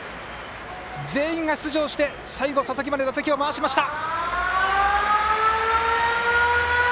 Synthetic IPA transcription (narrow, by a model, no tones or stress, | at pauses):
d͡ze̞ːĩŋɡaɕi̥t͡sɨʑo̞ːɕi̥t̪e̞ | saiɡo̞sasak̬ʲimad̪e̞at͡sekʲio̞maːɕimaɕi̥t̪a